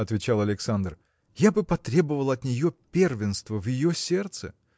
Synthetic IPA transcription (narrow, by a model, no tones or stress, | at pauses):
ɐt̪vʲɪt͡ɕalˠɐlʲɪksand̪r | jabɨpɐt̪ɾʲe̞bəvəlˠɐt̪nʲɪjopʲervʲɪnst̪vəvjɪjosʲe̞rt̪sɨ̰